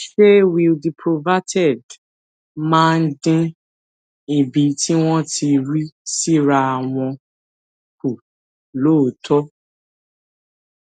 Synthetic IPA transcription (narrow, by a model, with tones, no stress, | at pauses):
ʃe˦wi˨lbi˨pʰɾo˨va˦tɛ˦˨d | mãː˦˧n̩˦dĩ˦ | i˨bi˨˦ti˦w̃ɔ̃˦ti˧ɾi˦si˦ɾa˧a˨w̃ɔ̃˧ | ku˨ | lo˦˨˦tʰɔ˦